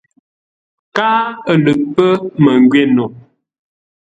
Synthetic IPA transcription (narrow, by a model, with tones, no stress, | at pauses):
kaː˦ə˨lə˨ʔ̚pə˦mə˨ŋ˨ɡɥe˦˨no˨